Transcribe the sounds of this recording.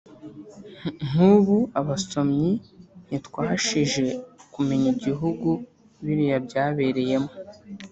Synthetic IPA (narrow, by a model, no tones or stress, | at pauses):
ŋ̥uβuaβaso̞mɲin̥itkwaːɦaʃiʒe̞kume̞ɲiɟiɦuɡu | βiɾijabɟaːβe̞ɾe̞je̞mo